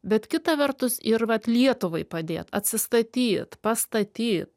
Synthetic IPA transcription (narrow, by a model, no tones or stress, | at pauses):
bʲɛt̪kʲɪt̪ɐʋʲɛrt̪ʊsɪɾʋɐt̪lʲiɛt̪ʊʋɐɪpɐd̪ʲḛːt̪ɐ̰t̪ʲsʲɪst̪ɐt̪ʲiːt̪pɐst̪ɐt̪ʲiːt̪